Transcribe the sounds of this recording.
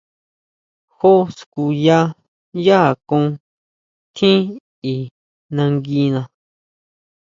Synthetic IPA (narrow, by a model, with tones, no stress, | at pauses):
xo˦sku˧ja˦ | ja˦a˨kõ˦˧˦ | t̪ʰĩ˦ | i˨ | nã˧ŋɡi˧nã˧